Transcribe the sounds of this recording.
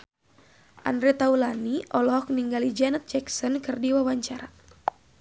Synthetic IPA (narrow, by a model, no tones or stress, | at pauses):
ʔa̰ndɾɛt̪aulaniʔɔlɔɦɔk̚niŋɡalid͡ʒanət̪̚d͡ʒɛksɔnkɨrdiwawaɲt͡ʃaɾa